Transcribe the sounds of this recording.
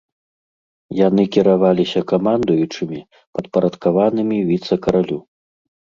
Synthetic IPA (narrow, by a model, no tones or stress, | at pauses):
janɨkʲiɾavalʲisʲɐkamand̪ujut͡ʂɨmʲi | pɐt̪pɐɾɐt̪kavanɨmʲivʲit̪sɐkɐɾalʲu